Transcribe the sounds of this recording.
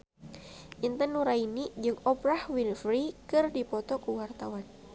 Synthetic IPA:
ʔint̪ənuɾainid͡ʒɨŋɔbɾahwinfɾikɨrdipɔt̪ɔkuwart̪awan

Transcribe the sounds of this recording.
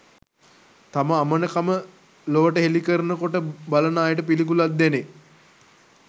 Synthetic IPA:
t̪aməamənəkamə | loʋəʈəɦelikəɾənəkoʈəbalənaːjəʈəpilikulat̪̚d̪ːene

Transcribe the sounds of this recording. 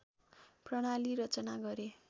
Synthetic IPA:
prʌɽ̃aliɾʌt͡sʌnaɡʌɾe

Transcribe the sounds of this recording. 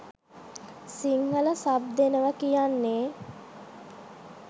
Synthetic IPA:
siŋɦələsab̚d̪enəʋəkijanːeː

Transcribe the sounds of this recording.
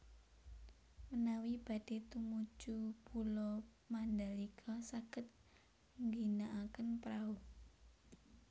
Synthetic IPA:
mənawib̥a̤d̥e̤t̪umut͡ʃupulɔ | mand̪aliɡʰɔsakət̪̚ | ŋɡinaʔakənpɾau

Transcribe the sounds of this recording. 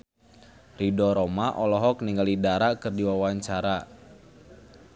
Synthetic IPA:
ridɔɾɔmaʔɔlɔɦɔk̚niŋɡalidaɾakɨrdiwawaɲt͡ʃaɾa

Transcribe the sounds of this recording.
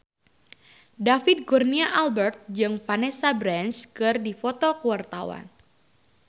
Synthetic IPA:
dafɪt̪̚ɡurniaʔalbɛrt̪̚d͡ʒɨŋfanɛsabɾant͡ʃkɨrdifɔt̪ɔkuwart̪awa̰n

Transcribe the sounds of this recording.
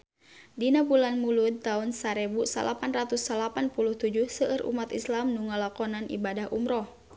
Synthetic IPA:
dinabulanmulud̪̚t̪aunsaɾɛbusa̰lʔapanrat̪usːalapanpuluht̪ud͡ʒuhsəːɾʔṵmat̪islamnuŋalakɔnanḭbadahumɾɔh

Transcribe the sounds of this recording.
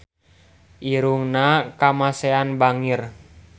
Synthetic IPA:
ʔiɾuŋnakamaseanbaŋɪr

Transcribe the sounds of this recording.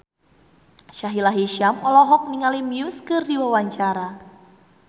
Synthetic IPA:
ʃaɦilaɦiʃamɔlɔɦɔk̚niŋalimiuskɨrdiwawaɲt͡ʃaɾa

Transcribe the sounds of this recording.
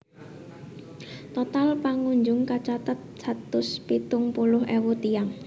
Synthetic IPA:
t̪ɔt̪alpaŋuɲd͡ʒʊŋkat͡ʃat̪ət̪̚sa̤t̪ʊspit̪ʊŋpulʊɦʔewut̪ijaŋ

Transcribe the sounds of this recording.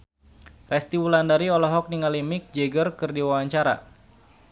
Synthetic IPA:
rɛst̪iwulandaɾiɔlɔɦɔk̚niŋalimɪk̚d͡ʒɛɡərkɨrdiwawaɲt͡ʃaɾa̰

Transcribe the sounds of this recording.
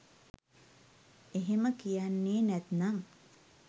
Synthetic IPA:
eɦeməkijanːeːnæt̪naŋ

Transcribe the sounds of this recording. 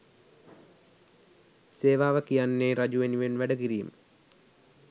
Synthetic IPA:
seːʋaːʋəkijanːeːɾɐd͡ʒuʋenuʋenʋæɖəɡiɾijṵm

